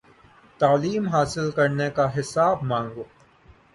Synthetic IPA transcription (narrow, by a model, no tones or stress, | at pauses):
t̪aːliːmɦaːsɪlkɐɾnekaɦɪsaːbmãːŋɡoː